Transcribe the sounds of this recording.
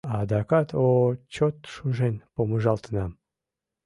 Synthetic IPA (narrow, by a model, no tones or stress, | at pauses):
ɑd̪ɑkɑt̪ot͡ɕot̪ʃuʒenpoməʒɑlt̪ənɑm